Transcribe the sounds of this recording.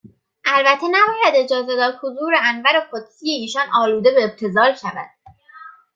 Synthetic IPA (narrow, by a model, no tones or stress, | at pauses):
ʔælbæt̪ʰe̞næbɒːjæd̪e̞d͡ʒɒːzed̪ɒːd̪hozuːɾeænvæɾeqod̪sijeiːʃɒnʔɒːluːd̪e̞beːb̥̚t̪ʰe̞zɒːlʃævæ̰d̪̥